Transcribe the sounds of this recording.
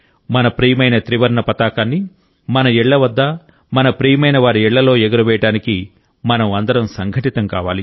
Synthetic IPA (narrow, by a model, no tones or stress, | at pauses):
mɐnɐpɾiːjɐmɐjnɐt̪ɾiʋɐɾɳɐpɐt̪aːkaːnːi | mɐnɐɛɭːɐʋɐd̪ːɐ | mɐnɐpɾiːjmɐjnɐʋaːɾiɛɭːɐlo̞ːɛɡɐɾɐʋɛːjɐʈaːniki | mɐnɐmɐnd̪ɐɾɐmsɐŋɡʱɐʈit̪ɐŋkaːʋaːli